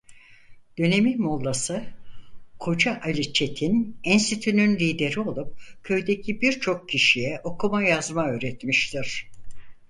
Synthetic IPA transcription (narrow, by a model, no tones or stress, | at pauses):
d̪̥ø̞ne̞minmolˠːasɯ | kʰo̞d͡ʒaʔalʲit͡ʃʰe̞t̪ʰinænsyt̪ʰynynlʲiːd̪e̞ɾio̞lˠup̚cʰø̞jd̪ecʰibiɾt͡ʃʰo̞k̚cʰiʃijɛʔo̞kʰumajazmaøːɾɛt̪miʃt̪ʰiɾ̥